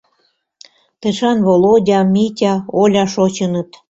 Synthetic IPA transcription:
t̪eʃɑnβolodʲɑmʲitʲɑolʲɑʃot͡ɕənɤt̪

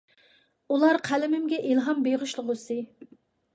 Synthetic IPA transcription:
ulˠɑɾqʰælɪmɪmɡʲɛʔilɦɑmbeʁʊʃlˠʊʁʊsɨ

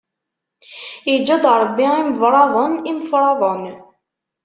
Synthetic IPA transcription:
id͡ʒːæd̪ˤɾˤbːiimvɾˤɑðˤənimfɾˤɑðˤən

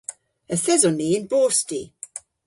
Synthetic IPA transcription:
əθɛzɔninboːsti

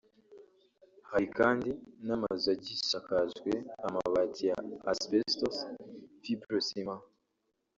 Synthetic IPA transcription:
haɾikaːndinamazaɟiʃakazɡweama̰βaɟija̰ːspestosfibɾosima

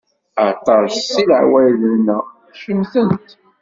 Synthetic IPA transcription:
ət̪ˤɑʃsilʕwælənæ | ʃəmθənt̪

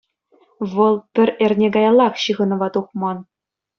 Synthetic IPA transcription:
ʋɤ̆lˠpʲɘ̆rʲĕrʲnʲeɡɑjɑlˠːɑχɕɯɣʁɤ̆nɤ̆ʋɑt̪uχmɑn

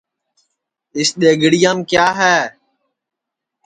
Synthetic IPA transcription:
ɪsɗ̪eːɡɽijãːmkjaːɦɛː

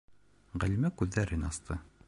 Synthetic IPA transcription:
ʁælimækʉðːæɾɘnɑst̪ʰɤ

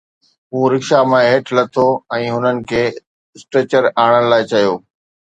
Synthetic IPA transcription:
ɦũːɾɪkʃamẽɦeːʈʰlɐt̪ʰoɛ̃ːɦʊnənɪ̆kʰeː | sʈɾeːt͡ɕəɾaːɽ̃ənɪ̆laːɪt͡ɕɐjoː

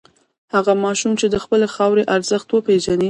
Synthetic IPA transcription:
haɣamɑʃumt͡ʃed̪əxpəlexɑwɾeʔaɾzəxt̪wəpeʒani

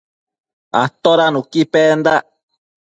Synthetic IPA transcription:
at̪oɾanũkipend̪a

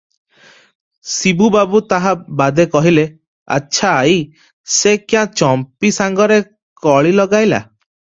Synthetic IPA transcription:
sibubabut̪aɦabad̪ekɔɦile | a̰tːʃʰaːj | sekjãt͡ʃɔmpisaŋɡɔɾe | kɔɭilɔɡajla̰

